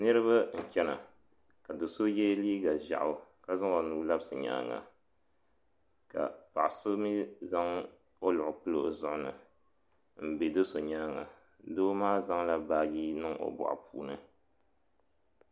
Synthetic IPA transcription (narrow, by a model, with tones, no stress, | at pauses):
nɨ˦ɾɨ˦βa˦n̩˨t͡ʃʲɛ˦na̰˨ | ka˨do˨so˦jɛ˦liː˦ɡa˨ʒa̰˨ʔʊ˨ka˦zɨ˦ŋo˨nuː˦la˦bɨ˦sɨ˨ɲa̰ː˦ŋa̰˨ | ka̰˨pa˨ʔso˦mi˦za˦ŋ | o˦lʊ˨ʔʊ˨pɨ˦lo˦ʔzʊ˨ʔʊ˦nɨ˨ | m̩˨be˨do˦so˨ɲaː˦ŋa̰˨ | doː˦maː˦za˦ŋla˦baː˦jiː˦nɨ˦ŋʔo̰˨bɔ̰˨ʔpʰṵː˦nɨ˦